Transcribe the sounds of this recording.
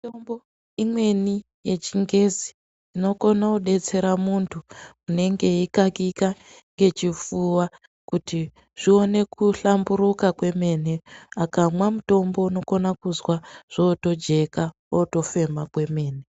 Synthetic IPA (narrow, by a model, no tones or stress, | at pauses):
itombo | imwe̞ni | je̞t͡ʃiŋɡe̞zi̥ː | no̞ko̞nakuɗe̞t͡se̞ɾamuntʰu | une̞ŋɡe̞ikakika | ŋɡe̞t͡ʃifuːwa | kuti | ʐ̥io̞ne̞kuɬambuɾukakwe̞me̞ne̞akamwamuto̞mbo̞uno̞ko̞nakuzwaʐ̥oto̞d͡ʒe̞ka | oto̞fe̞makwe̞me̞ːne